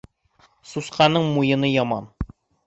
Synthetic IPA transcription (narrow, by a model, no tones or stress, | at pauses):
susqɑnɤɴmujɤ̆nɤjɒmɑ̰n